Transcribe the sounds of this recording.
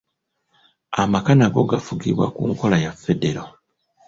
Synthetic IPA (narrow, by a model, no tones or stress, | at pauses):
amakanaɡo̞ɡafuɡiβwa̰kṵŋko̞lajafːe̞deɾo